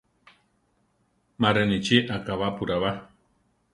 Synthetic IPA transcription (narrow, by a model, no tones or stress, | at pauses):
maɾenit͡ʃeʔakaβapuɾaβa